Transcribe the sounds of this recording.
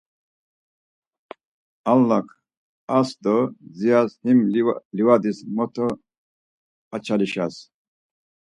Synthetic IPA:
alːakʰ | asd̪ozijazhimliwad̪ismɔt̪ʰo | at͡ɕʰaliɕas

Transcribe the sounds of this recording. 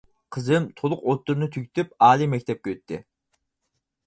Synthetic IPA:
qʰəzɨmt̪ʰolˠʊqot̪ːuɾɨnɨt̪ʰykʲt̪ʰyp̚ɑːlˠimɛk̚ʲt̪ʰɛp̚kʲøt̪ʰːɪ̰

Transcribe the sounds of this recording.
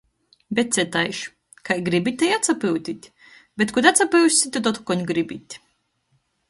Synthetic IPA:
bʲɛt̪̚sʲɛt̪ajʃ | kajɡɾibit̪ʲajat̪sapiwt̪ʲit̪ʲ | bʲet̪kut̪at̪sapiwʃsit̪ɛt̪ɔt̪kɔɲɡɾibit̪ʲ

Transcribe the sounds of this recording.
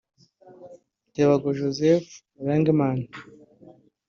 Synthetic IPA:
teβaɡoʒozef | ɾeŋɡimana

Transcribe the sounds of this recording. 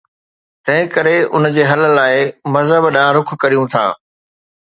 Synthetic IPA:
t̪ɐ̃ɦɪ̃kɐɾeʊ̰nd͡ʑeːɦɐl̆laːɪmɐzɦəbɗãːɾʊkʰkɐɾijũt̪ʰa̰ː

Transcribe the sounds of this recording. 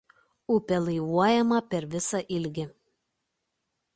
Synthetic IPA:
ʊpʲɛlˠɐɪʋuɔjɛmɐpʲɛɾʋʲɪsɐʔɪlʲɡʲɪ

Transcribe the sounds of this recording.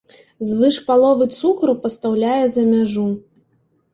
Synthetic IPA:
zvɨʂpalˠɔvɨt̪sukɾupɐst̪awlʲajɛzɐmʲaʐu

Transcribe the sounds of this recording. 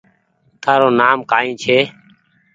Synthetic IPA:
t̪ʰaːɾoːnaːmkaːĩːt͡ʃʰeː

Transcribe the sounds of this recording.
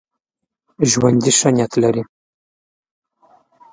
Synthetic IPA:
ʒwand̪iʃanʲjat̪lɐɾi

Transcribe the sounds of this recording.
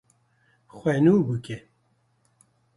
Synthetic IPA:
xʷwɛnuːbɨkɛ

